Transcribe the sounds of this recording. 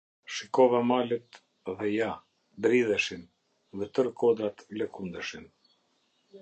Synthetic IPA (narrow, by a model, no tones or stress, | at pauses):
ʃikɔvamalət̪ | ðɛja | d̪ɾiðəʃin | ðɛt̪əɾkɔd̪ɾat̪ləkund̪əʃin